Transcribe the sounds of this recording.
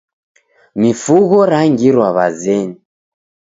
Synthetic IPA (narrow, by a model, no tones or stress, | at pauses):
mifuɣɔɾaŋɡiɾwaβazɛni